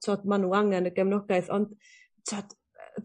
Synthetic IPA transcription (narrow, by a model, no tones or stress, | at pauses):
tʰɔdmanuaŋɛnəɡɛmnɔɡajθɔnd̥ | tʰɔd̥